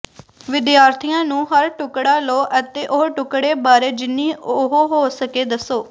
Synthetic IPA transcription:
ʋɪd̪jaːɾt̪ʰijãːnũːɦəɾʈʊkɽaːloːʔət̪eːʔoɦʈʊkɽeːbaːɾeːd͡ʒɪnːiːʊɦoɦoːsəkeːd̪əsoː

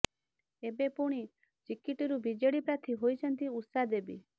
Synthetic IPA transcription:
ebepuɽ̃i | t͡ʃikiʈiɾubid͡ʒeɽipɾat̪ʰiɦojt͡ʃʰɔnt̪iut̪sad̪ebḭ

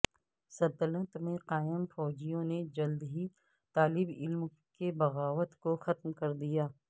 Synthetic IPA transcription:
sɐt̪ələ̃t̪mẽqaːɪmfɔːd͡ʒijõned͡ʒɐld̪ɦi | t̪aːlɪbɪlm | kebɐɣaːʋət̪koxɐt̪mkɐɾd̪ijaː

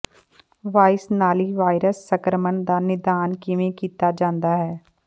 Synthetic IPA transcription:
ʋaːɪsnaːliʋaːɪɾəsːɐkɾəməɳd̪aːnɪd̪aːnkiʋẽkiːt̪ad͡ʒãːnd̪aɦɛː

